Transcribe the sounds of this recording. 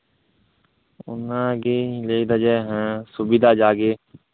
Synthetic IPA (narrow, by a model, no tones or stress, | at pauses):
ʊ̰nãːɡeːleid̪əd͡ʒɛːɦɛ̃ːsʊbɪd̪aːd͡ʒaːɡeː